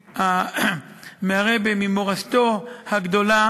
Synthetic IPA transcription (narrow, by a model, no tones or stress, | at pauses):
ha | meaʁebemimoʁast̪ohaɡd̪o̞la